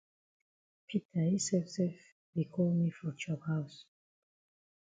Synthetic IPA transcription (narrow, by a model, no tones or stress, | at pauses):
pʰitʰaisɛfsɛf | bikʰɔlmifɔt͡ʃɔphaʊs